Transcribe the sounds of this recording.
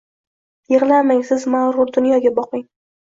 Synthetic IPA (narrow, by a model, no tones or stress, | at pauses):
jeʁlˠamaŋʲsɪzmaɾʊɾd̪ʊnjɒɡʲabɒqɪŋ